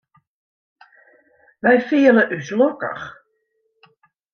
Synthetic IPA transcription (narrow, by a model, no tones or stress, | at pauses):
ʋɛjfɪələʔyslɔkə̰x